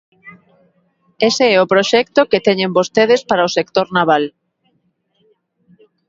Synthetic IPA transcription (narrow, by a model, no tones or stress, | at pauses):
eseɛopɾoʃɛkt̪oket̪ɛɲembost̪eð̞espaɾaosek̚t̪oɾnaβ̞al